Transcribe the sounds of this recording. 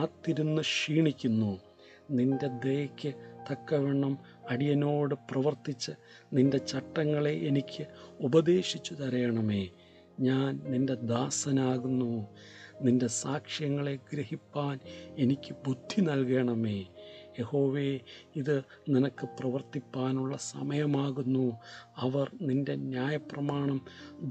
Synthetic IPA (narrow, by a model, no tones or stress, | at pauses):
aːt̪ːiɾunːɨʂiːɳikʲːunːu | ninde̞d̪ejɐkʲːɨt̪ɐkːɐʋeɳɐm | ɐɽijɐno̞ːɽɨprɐʋɐrt̪it͡ɕːɨ | ninde̞t͡ɕɐʈːɐŋːɐɭeʔːnikʲʰːɨubɐd̪e̞ːɕit͡ɕːut̪ɐɾɐjɐɳɐme̞ː | ɲaːnninde̞d̪aːsɐnaːɣunːu | ninde̞saːkʂjɐŋːɐɭe̞ɡɾɐhipːaːne̞nikʲːɨbud̪ʱːinɐlke̞ːɳɐme̞ːjeho̞ːʋeːiðɨ | ninɐkːɨprɐʋɐrt̪ipːaːnuɭːɐsɐ̰mɐjɐmaːɣunːuɐʋɐrninde̞njaːjɐprɐmaːɳɐm